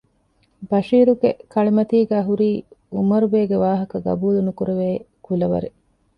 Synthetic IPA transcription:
bɐʃiːɾuɡekʰɐɭimɐt̪iːɡæːɦuɾiːumɐɾubeːɡeʋaːɦɐkɐɡɐ̰buːlunukuɾeʋeː | kulɐʋɐ̰ɾe

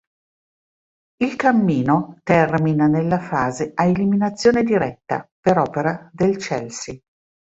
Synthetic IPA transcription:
ilkamːiːnot̪ɛrminanelːafaːzeaeliminat̪sːjoːned̪iɾɛt̪ːa̰peɾɔːpeɾad̪elt͡ʃɛ̰lsi

